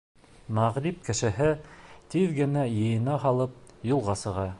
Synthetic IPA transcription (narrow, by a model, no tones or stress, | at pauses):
mæʁɾip̚kɘ̆ʃɘ̆ɦɘt̪iðɡɘ̆næjɤ̆jɤ̆nɑɦɑlˠɤp̚julˠʁɑsɤ̆ʁɑ